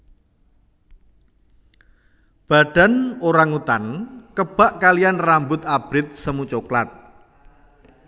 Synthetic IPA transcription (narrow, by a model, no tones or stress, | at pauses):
b̥a̤ɖ̥a̤noɾaŋut̪ankəb̥a̤ʔkalianrambʊt̪ab̥ɾɪt̪̚səmut͡ʃoklat̪̚